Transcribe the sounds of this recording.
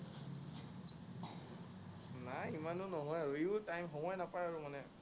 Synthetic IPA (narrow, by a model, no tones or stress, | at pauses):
naimanʊnɔɦɔjɹitajmxɔmɔjnapaɹaɹumanɛ